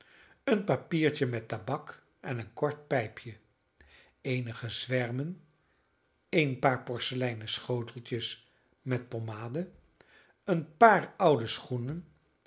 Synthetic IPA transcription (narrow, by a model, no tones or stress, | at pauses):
ənpapiːɹt͡ʃəmɛtabɑk | ɛnənkɔɹt̚pɛjpʰjə | ejnəχəzʋɛɹmən | ejnpaːɹpɔɹsəlɛjnəsχowtəlˠtəs | mɛt̚pomaːdə | ənpaːɹʌwdəsχunən